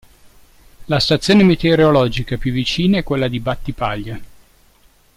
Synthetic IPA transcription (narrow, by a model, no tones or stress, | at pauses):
last̪at̪sːjoːnemet̪eɾeolɔd͡ʒikapjuvːit͡ʃiːnaɛkːwelːad̪ibat̪ːipaʎːa